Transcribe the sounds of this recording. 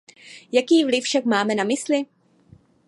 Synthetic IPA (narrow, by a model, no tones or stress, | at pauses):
jakiːvlɪfʃakmaːmɛnamɪslɪ